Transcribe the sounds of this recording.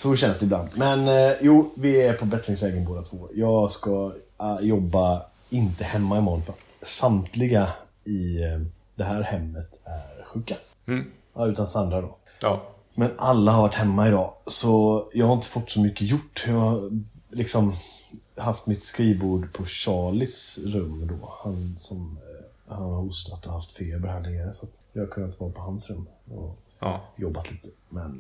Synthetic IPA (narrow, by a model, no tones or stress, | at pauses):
sɔɕɛnsd̪ɛɪbla̰nd̪mɛnjuːvɪæɾpʰɔbɛt̪lɪŋsvɛːɡənboːd̪at̪ʰvoːjɑːɡskajɔbːa | ɪnt̪əhɛmːaɪmɔnfat̪ | samt̪ʰlɪɡa | ɪ | d̪ɛɦæːɾhɛmːət̪æɾɧʉ̟ːkːa | ʉ̟ːt̪ansand̪ɾad̪ɔ̰ | mɛnalːahaɾvaʈːhɛmːaɪd̪ɑːsɔjɑːɡhaɾɪnt̪ə̥fʊʈːsɔmʏkːəjʊʈːjɑːɡalɪksɔm | haft̪mɪt̪skɾiːbuːɖpʰɔɕɑːlɪsɾɵmːd̪ɔ̰ːhansɔm | hanhaɾʊst̪at̪ːɔhaft̪fleːɾbɛɾhœːɡ̪lɪŋaɾsat̪jɑhakʰɵnːaɪt̪əvɑːɾpʰɔhansɾɵmːɔ̰ | jɔbːat̪liːt̪ə̥mɛn